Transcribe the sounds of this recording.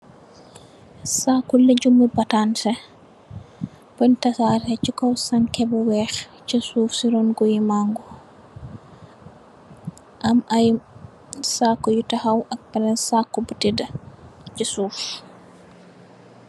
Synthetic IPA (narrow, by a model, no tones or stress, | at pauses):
sakːuleɟumːubatantɛ | pɔntasaɾhɛt͡ʃikɔwsankɛbuwɛxt͡ʃisuːfsiɾɔnɡujimaŋɡɔ | ʔamʔaj | sakːɔjutahawʔak̚palɛnsakːɔbutidɐt͡ʃisuːf